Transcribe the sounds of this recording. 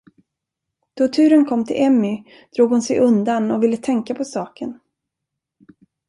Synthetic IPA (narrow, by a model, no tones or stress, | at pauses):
d̪̥ɔt̪ʰʉ̟ːɾənkʰɔmːt̪ʰɪ̰lʔɛmːʏ | d̪̥ɾuːɡhʊnsɛjʔɵnd̪anɔvɪlːət̪ʰɛŋkapʰɔsɑːkən